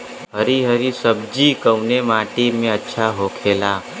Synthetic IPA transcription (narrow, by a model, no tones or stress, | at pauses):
ɦəɾiɦəɾisəb̚d͡ʒikəwnemaːʈimẽətːʃʰaɦoːkʰeːlaː